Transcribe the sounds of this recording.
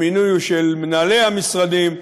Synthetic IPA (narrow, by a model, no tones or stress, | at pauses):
minujʃelmnale̞amisʁad̪im